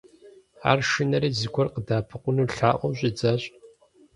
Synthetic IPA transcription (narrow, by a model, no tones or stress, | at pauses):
a̰ːrʃɨnɐɾiːzɨɡʷʰɔrqədaːpʰɨqʷʊnuːɬaːʔʷʼɔɕʷʼɪd͡zɐɕʼ